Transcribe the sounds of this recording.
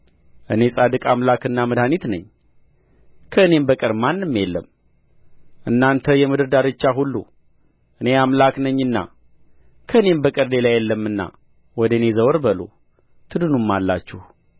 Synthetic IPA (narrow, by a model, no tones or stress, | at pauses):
ʔɨne̞sʼad̪ɨkʼamlakɨnːamɨd̪hanit̪nəɲː | kʰəɨne̞mbəkʼɨɾmanːɨmːjɛlːəm | ʔɨnːant̪ʰəjɛmɨd̪ɨɾd̪aɾɨt͡ʃːaɦulːṵ | ʔɨne̞amlaknəɲːɨnːa̰ | kʰəɨne̞mbəkʼɨɾle̞lajɛlːəmːɨnːa̰ | wɔd̪əɨne̞zəwɾbəlo̰ | t̪ʰɨd̪ɨnumːalːa̰t͡ʃːuh